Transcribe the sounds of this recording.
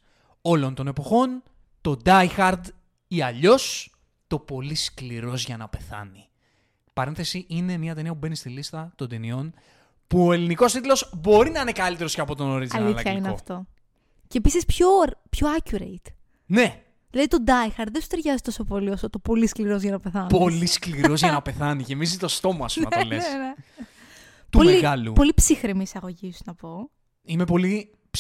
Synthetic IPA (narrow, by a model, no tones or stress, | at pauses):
o̞lo̞nt̪o̞ne̞po̞xo̞n | t̪o̞d̪ɐjxɐɾd̪ | iɐʎo̞s | t̪o̞po̞liskliɾo̞zʝɐnɐpe̞θɐ̰ni | pɐɾe̞nθe̞siʔine̞mɲɐt̪e̞niɐpube̞nist̪ilist̪ɐt̪o̞nd̪enio̞n | puoe̞liniko̞st̪it̪lo̞zbo̞ɾinɐinekɐlit̪eɾosceɐpo̞t̪o̞noɾizɐlilɐçɐinkeɐoft̪o̞ | cepisispçopçoɐcuɾḛit̪ | ne | ðilɐðit̪o̞d̪ɐjxɐɾðensu̥t̪e̞ɾʝɐzit̪o̞so̞po̞liosot̪opo̞liskliɾo̞zʝɐnɐpe̞θɐnooliskliɾo̞zʝɐnɐpe̞θɐnicemizt̪ost̪o̞mɐɐ̰sumɐɐlesne | t̪uomliɣɐlṵpo̞lipsixɾimiːsɐɣo̞ʝisnɐpo̞ | ime̞po̞li